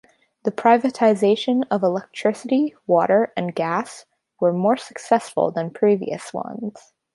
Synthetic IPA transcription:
ðɨpʰɹ̥aɪvɨtʰaɪzeɪʃɨ̃nʌvəlɛk̚tʰɹ̥ɪsɨɾiwɔɾə˞ʔɨ̃nɡæs | wə˞mɔɹsə̥ksɛsfl̩ˠðə̃npʰɹ̥ivḭɨ̰swʌ̰̃nz̥

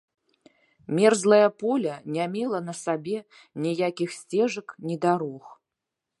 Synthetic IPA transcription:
mʲɛrzlˠɐjɐpɔlʲɐnʲamʲɛlˠɐnɐsabʲɛ | nʲijakʲixsʲt͡sʲɛʐɐknʲid̪aɾɔx

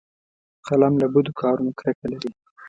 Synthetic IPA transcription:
qalamlabud̪ukʰɑɾunokɾakalaɾi

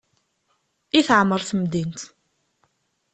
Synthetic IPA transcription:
iθəʕmːəɾˤθmd̪int̪

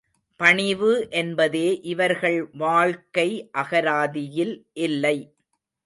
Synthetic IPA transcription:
pɐɳɪʋɯʔɛnbɐðeːʔɪʋɐɾɣɐɭʋaːɭkɐɪʔɐɣɐɾaːðɪjɪlʔɪlːɐɪ

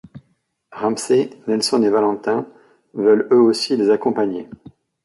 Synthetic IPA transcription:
ʁamsenɛlsɔnevalɑ̃t̪ɛ̃ | vœløosilezakɔ̃paɲe

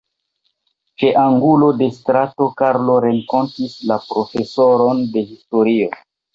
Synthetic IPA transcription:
t͡ʃe̞ʔaŋɡulo̞de̞stɾato̞kaɾlo̞ɾeŋko̞ntislapɾo̞fe̞soɾo̞nde̞histo̞ɾio̞

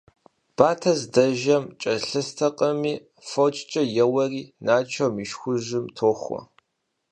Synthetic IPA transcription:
b̥aːtʰɐzdɐʒɐmt͡ʃʼɐɬɨstʰɐqʼɐmiː | fot͡ʃʼt͡ʃʼɐjɛwɐriːnaːt͡ʃʰɐmiʃxʷʊʒɪmtʰoːxʷɔ̰

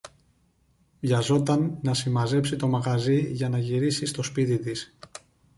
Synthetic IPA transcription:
vʝɐzo̞t̪ɐnːɐsimɐze̞psit̪o̞mɐɣɐziʝɐnɐʝiɾisist̪o̞spit̪it̪is

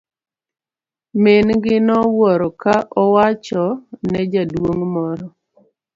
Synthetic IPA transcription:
menɡɪnɔwɔɾɔkaʔɔwat͡ʃɔnɛd͡ʒadwoŋmɔɾɔ

